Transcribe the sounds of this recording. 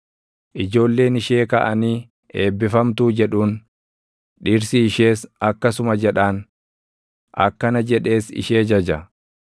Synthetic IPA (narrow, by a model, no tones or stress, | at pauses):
ʔɪd͡ʒo̞ːlːe̞ːnɪʃeːkɐ̰ʔɐniː | e̞ːbːɪfɐmt̪uːd͡ʒɛᶑuːn | ᶑiːɾsɪːʃeːsɐkːɐsʊmɐd͡ʒɛᶑaːn | ʔɐ̰kːɐnɐd͡ʒɛᶑe̞ːsɪ̰ʃe̞ːd͡ʒɐd͡ʒɐ